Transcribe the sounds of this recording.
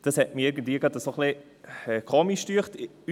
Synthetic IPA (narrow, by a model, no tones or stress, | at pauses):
d̥ɑshɛt̚miɪɾɡən̩dviːɡʁɑdəsoχlɪ | ɛkʰoːmiʃtyːχt